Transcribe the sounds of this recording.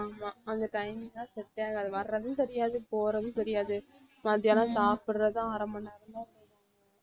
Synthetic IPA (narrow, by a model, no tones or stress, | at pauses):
amãːɐnd̪ɐʈɐɪmnãːsɛʈːaːɡɐɐðɯʋɐɾːɐðɯ̃nt̪ɛɾɪjaːðɯpoːɾɐðɯ̃t̪ɛɾɪjaːðɯ | mɐðjaːlɐ̃saːpɪɽɾɐðãaːɾɐmbɐnːaːɾɯnd̪ãːsɐ